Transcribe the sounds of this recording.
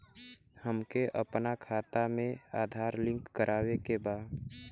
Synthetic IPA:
həmkeʔəpnakʰaːt̪amẽaːd̪ʱaːɾlɪ̃ŋkːəɾʔaːwekebaːd̪

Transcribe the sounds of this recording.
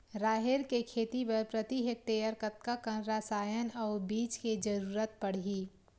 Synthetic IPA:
ɾaːɦɪɾkekʰeːt̪ipəɾpɾət̪iɦek̚t̪eːjəɾkət̪̚kakə̃nɾaːsaːjənɔːbiːt͡ʃked͡ʒəɾuːɾət̪̚pɐɽ̤iː

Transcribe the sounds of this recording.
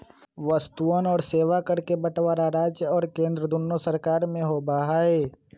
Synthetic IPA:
ʋəst̪uənɔːɾseːʋakɐɾkebəʈʋaːɾaɾaːd͡ʒjəɔːɾkẽːnd̪ɾəd̪ʊnːosəɾkaːɾmẽɦobaːɦaːeː

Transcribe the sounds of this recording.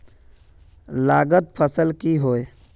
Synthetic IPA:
laɡət̪̚pʰəsəlkiɦoj

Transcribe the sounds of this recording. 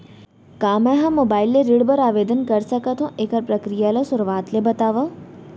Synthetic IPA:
kaːmɛ̃ɦɐmːoːbaːɪlːeɾiɽbɐɾaːʋeːd̪ənkɐɾsɐkət̪ɦũʔeːkəɾpɾɐkɾijaːlasʊɾʋaːt̪lebɐt̪aːʋa

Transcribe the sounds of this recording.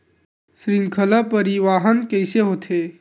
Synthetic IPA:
sɾɪ̃ŋɡkʰəlapəɾiʋaːɦənkəɪseɦoːt̪ʰeː

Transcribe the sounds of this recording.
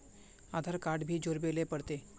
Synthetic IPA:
ad̪ʱaɾkaɽbʱiːd͡ʑoɾbelepəɽt̪e

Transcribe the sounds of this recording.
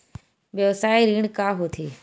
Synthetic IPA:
ɓjosaːiɾiːɳ̃kaːɦoːt̪ʰeː

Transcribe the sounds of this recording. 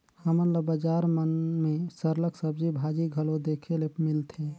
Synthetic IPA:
həməɾləɡbəd͡ʒaɾmənmesəɾləksəb̚d͡ʒibʱad͡ʒiɡʱəlod̪ekʰelepmilt̪ʰe

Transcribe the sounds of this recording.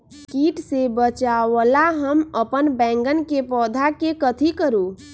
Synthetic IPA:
kiʈsebət͡ʃawəlaɦəməpənbɛ̃ːŋɡənkepɔːd̪ʱakekət̪ʰikəɾu

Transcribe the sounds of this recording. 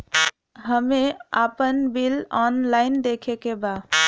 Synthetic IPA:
ɦəmea̰pənbilɔnlaɪnd̪ekʰekeba

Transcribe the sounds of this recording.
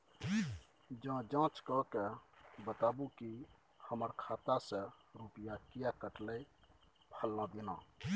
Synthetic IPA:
d͡ʒãd͡ʒãt͡ʃkɔkebət̪abuki | həməɾkʰat̪asə̃ɾupijakijakəʈləj | pʰəlːãd̪inã

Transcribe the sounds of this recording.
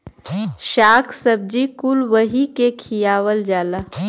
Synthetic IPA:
ʃaːkʰsəb̚d͡ʒikulʋəɦikekʰijaːʋəld͡ʒaːlaː

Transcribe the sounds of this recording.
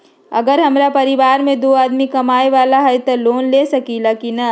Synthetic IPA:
ɐ̰ɡəɾɦɐmɾapɐɾɪʋaːɾmẽd̪oːaːd̪mikɐmaːeʋaːlaɦɛt̪ɐloːnleːsɐkilɐkinɐ

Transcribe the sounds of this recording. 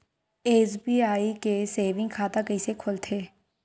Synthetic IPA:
eːsbiːaːikeseːʋɪ̃ŋɡkʰaːt̪akəisekʰolt̪ʰeː

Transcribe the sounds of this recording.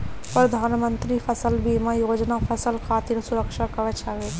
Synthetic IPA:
pɾəd̪ʱaːnmənt̪ɾifʰɐsəlbiːmãjoːd͡ʒnafʰɐsəlkʰaːt̪iɾsʊɾəkʃakɐʋət͡ʃʰaʋe

